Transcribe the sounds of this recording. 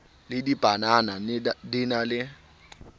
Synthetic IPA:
lɪdib̥ʼʱananadɪnalɪ

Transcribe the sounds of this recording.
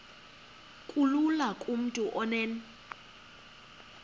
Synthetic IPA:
kʼululakʼum̩tʼuʔɔnɛːn

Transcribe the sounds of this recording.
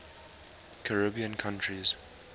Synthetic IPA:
kʰəɹɪbiə̃nkʰãntɹiz̥

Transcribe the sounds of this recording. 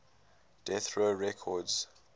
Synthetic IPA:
d̥ɛθɹoɹɛkʰɔdz̥

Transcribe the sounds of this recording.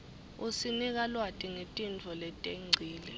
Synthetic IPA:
usinik̬alwatʼiŋetʼind͡vʱɔlɛtʼeŋ͡ǀʱiːlɛ

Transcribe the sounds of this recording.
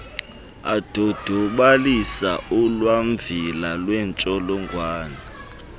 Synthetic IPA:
a̰d̥ʱɔd̥ʱɔɓalisa̰ulwaɱvilalwɛnt͡ʃʼɔlɔŋɡʱwaːna

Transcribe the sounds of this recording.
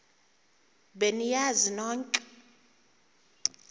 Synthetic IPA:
benijazinɔːŋkʼ

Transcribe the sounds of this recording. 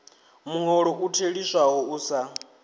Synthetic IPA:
muŋɔɺɔʔutʰeɺisaɦɔuːsa

